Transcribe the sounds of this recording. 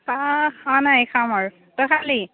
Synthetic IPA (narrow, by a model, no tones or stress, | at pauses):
kaxanajkʰamaɹ | tɔkʰali